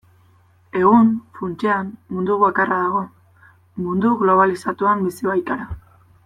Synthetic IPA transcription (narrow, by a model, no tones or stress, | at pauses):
e̞ɣunfunt͡ʃeamːund̪uβakarʔaðaɣ̞o̞ | mund̪uɣlo̞β̞alisat̪uambisiβajt̪aɾa